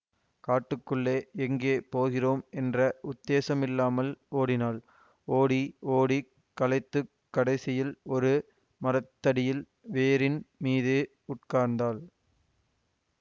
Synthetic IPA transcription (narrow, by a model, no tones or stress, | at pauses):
kaːʈːɯkːɯɭːeːɛŋɡeːpoːɣɪroːmɛndrɐʔʊd̪ːeːsɐmɪlːaːmɐloːɽɪnaːl | oːɽioːɽi | kːɐlɐɪt̪ːɯ | kːɐɽɐɪsɪjɪlɔɾɯ | mɐɾɐt̪ːɐɽɪjɪl | ʋeːɾɪnmiːðɯ | ʊʈkaːɾnd̪aːl